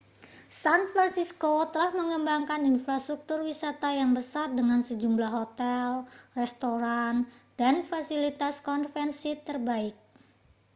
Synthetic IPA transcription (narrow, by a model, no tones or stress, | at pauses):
sanfɾansiskot̪əlahməŋəmbaŋkaninfɾast̪ɾuk̚t̪ʊrwisat̪ajaŋbəsardəŋansəd͡ʒumlahɦot̪ɛlrɛst̪oɾan | d̥anfasilit̪askɔnfɛnsit̪ərbaɪk̚